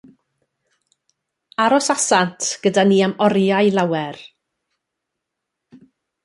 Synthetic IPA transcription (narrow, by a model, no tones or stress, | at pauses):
aɾɔsasantʰɡ̥ədaniːamɔɾjajlˠawɛɾ